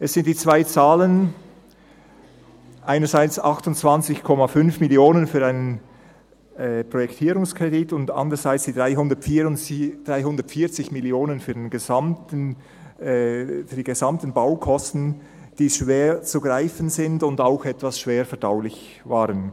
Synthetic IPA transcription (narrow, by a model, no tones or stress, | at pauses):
ʔɛsz̥ɪntd̥iːt͡sv̥aɪt͡saːlən | ʔaɪnɐzaɪt͡sɑxtʊntt͡sv̥ant͡sɪçkʰɔmafʏnfmɪljoːnənfyːɐaɪnən | pʁ̥ɔjɛktʰiːɾʊŋskʁeditʊnda̰ndʁəz̥aɪt͡sd̥iːdʁaɪɦʊndɐtid̥ʁaɪɦʊndəɐtfiːɐt͡sɪçmɪljoːnənfyːɐdenɡezamtən | fyːd̥iːɡezamtən̩baʊkʰɔstn̩ | d̥iːʃveːt͡suɡʁaɪfənzɪndʊndaʊxɛtvasʃv̥eːɾfɛɐd̥aʊlɪç | vaːʁən